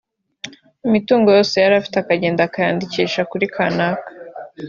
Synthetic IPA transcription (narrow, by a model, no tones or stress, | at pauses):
imituːŋɡo̞jo̞ːse̞jaɾafi̥teakaɟe̞ːndakajaːndiciːʃakuɾikʰanakḁ